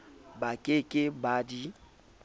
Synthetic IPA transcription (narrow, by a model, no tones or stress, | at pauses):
bakʼekʼɪbadi